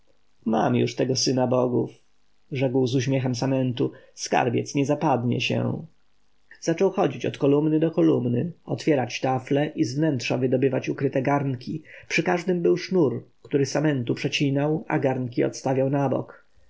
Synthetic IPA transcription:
ma̰mjṵʂt̪ɛɡɔsɘnabɔɡṵf | ʐɛkwzuɕmʲjɛxɛmsamɛnt̪uska̰ɾbʲjɛ̰t̪sɲɛzapad̪ɲɛ̰ɕɛ̰ | z̥at͡ʂɔwxɔd͡ʑit͡ɕɔt̪kɔlumnɘd̪ɔkɔlumnɘɔt̪fʲjɛɾat͡ɕt̪aflɛʔizvnɛntʂavɘd̪ɔbɘvat͡ɕukɾɘt̪ɛɡaɾnkʲʰipʂɘkaʐd̪ɘmbɘwʂnuɾkt̪uɾɘsamɛnt̪upʂɛt͡ɕinawa̰ɡaɾnkʲiɔ̰t̪st̪avʲjawnabɔ̰k

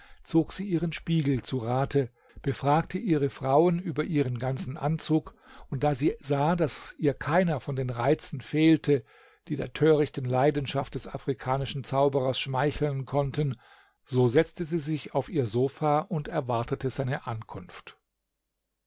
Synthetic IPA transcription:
t͡soːkz̥iːʔiːʁ̞ənʃpiːɡl̩t͡suʁaːtʰə | b̥əfʁ̥aːktʰəʔiːʁəfʁ̥aʊənyːbɐʔiːʁ̞ənɡant͡sn̩ʔa̰nt͡suːk | ʊnt̚d̥aːziːzaːdasʔiːɐkʰaɪnɐfɔndeːnʁaɪt͡sn̩feːltʰə | d̥iːdeːɐtʰøːʁ̞ɪçtn̩laɪdn̩ʃaft̚d̥ɛsafʁ̥ikʰaːnɪʃn̩t͡saʊbəʁɐsʃmaɪçl̩nkʰɔntən | zoːzɛt͡stəziːzɪçaʊfiːɐzoːfaːʔʊntɛɐvaɐtətəzaɪnəʔankʰʊnft

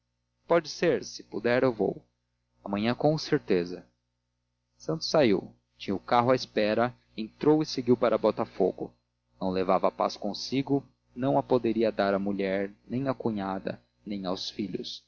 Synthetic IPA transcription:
pɔd͡ʒɪseɾsɪ̥pud̪ɛɾewvo̰w | ɐmɐ̃ɲɐ̃kõseɾt̪ezɐ | sɐ̃nt̪ʊ̥sːaiw | t͡ʃĩɲʊkaɦʊaespɛɾɐ | ẽt̪ɾowɪseɡiwpaɾɐbɔt̪afo̰ɡʊ̰ | nɐ̃w̃levavɐapa̰skõsiɡʊ | nɐ̃w̃ɐpod̪eɾiɐd̪aɾɐmuʎɛɾnẽj̃ɐkuɲad̪ɐ̰ | nẽj̃awsfiʎʊs

